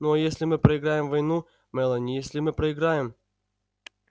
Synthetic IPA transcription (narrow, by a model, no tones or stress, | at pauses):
nojesʲlʲɪmɨpɾəɪɡɾajɪmvɐjnu | mɛlˠənʲɪjesʲlʲɪmɨpɾəɪɡɾajɪm